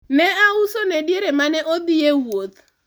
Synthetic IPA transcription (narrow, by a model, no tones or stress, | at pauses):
nɛausonɛdieɾemanɛʔod̪iewwot̪